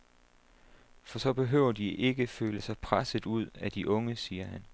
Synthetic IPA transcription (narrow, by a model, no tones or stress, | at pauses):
fɒ̽sɒ̽b̥e̝ɦø̰ːʊ̰ɐd̥iʔe̝ɡ̥əføːləsɑ̈ɪpʰʁasəð̩ˠuð̞̰ˠæd̥iʔɔ̽ŋəsiːɐhæn